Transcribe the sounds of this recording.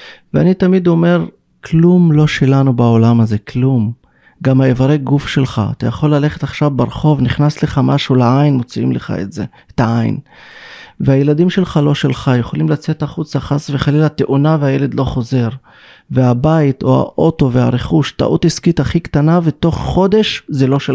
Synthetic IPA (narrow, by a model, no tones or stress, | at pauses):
veanit̪amid̪o̞me̞ʁ | klumlo̞ʃelanubao̞lamaze̞klum | ɡamaevaʁeɡufʃe̞lχa̰a̰t̪a̰jaχo̞lːale̞χetaχʃavbeʁχo̞vniχnasleχamaʃuleajnmot͡siḭmleχa̰ḛtze̞ | et̪aʔaj̰n | veaje̞lad̪imʃe̞lχalo̞ʃelχajeχo̞limlat͡se̞taχut͡saχasve̞χalilat̪eʔunaveajele̞d̪lo̞χo̞ze̞ʁ | veabait̪o̞a̰ʔo̞to̞vea̰ʁeχuʃta̰ʔṵt̪iskit̪aχikt̪anaveto̞χːo̞d̪e̞ʃzelo̞ʃe